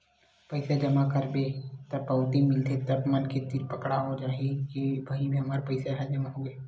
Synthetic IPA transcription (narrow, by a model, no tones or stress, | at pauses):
pɐɪsed͡ʒɐmakəɾbet̪ɐpːəwt̪imɪlt̪ʰet̪ɐbmənket̪iɾpəkɽaɦod͡ʒaːɦikibʱaibʱiɦɐmaːɾpɐɪseɦɛd͡ʒɐmaɦoe